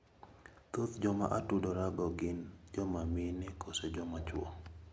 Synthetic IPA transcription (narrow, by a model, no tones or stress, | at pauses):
tot̪d͡ʒɔma̰ʔatudɔɾaɡɔɡɪnd͡ʒɔmamɪnɛkʰosed͡ʒɔmat͡ʃwɔ̰